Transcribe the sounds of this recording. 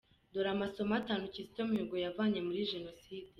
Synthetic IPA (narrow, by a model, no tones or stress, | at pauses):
doɾamaso̞mataːnucizi̥tomuɡojavaːɲe̞muɾiʒe̞no̞siːdi